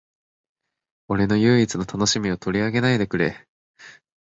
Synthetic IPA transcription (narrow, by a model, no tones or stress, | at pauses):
o̞ɾe̞no̞jɯ̟ːit͡sɨno̞t̪ano̞ɕimʲio̞t̪o̞ɾʲiaɡe̞naid̪e̞kɯ̟ɾe